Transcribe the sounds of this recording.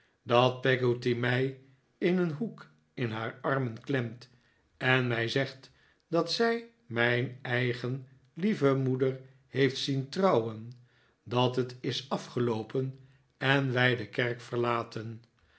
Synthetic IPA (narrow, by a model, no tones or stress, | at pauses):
dɑt̚pɛɡotimɛj | ɪnənɦuk | ɪnɦaːɹɑɹmənklɛmt | ɛnmɛjzɛχt | d̥ɑtsɛj | mɛjnɛjχən | livəmudəɹ | hejftsintrɑwən | dɑtɦətɪsɑfχəlowpən | ɛnʋɛjdəkɛɹkfəɹlaːtən